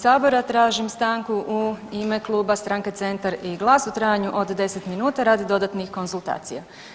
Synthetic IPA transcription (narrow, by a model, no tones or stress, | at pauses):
saːbo̞ɾat̪ɾaːʒimst̪aːŋkuʔuime̞klˠuːbast̪ɾaːŋke̞t̪se̞nt̪aɾiɡlˠaːsut̪ɾaːjaɲuʔo̞d̪d̪e̞se̞t̪minuːt̪aɾaːd̪id̪o̞d̪at̪nixko̞nzulˠt̪a̰ːt̪sija